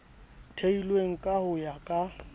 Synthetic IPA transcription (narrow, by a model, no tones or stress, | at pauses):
tʰeilweŋ̩kʼahʊjakʼa